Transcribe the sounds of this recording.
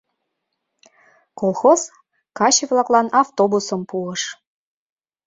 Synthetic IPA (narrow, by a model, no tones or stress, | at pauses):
kolˠxoz̥ | kɑɕevlɑklɑnɑft̪obusəmpuəʃ